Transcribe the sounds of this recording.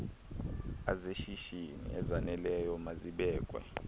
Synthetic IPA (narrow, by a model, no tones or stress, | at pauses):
azeʃiʃinḭʔɛzanɛlɛjɔmaziɓɛːkʼwɛ̰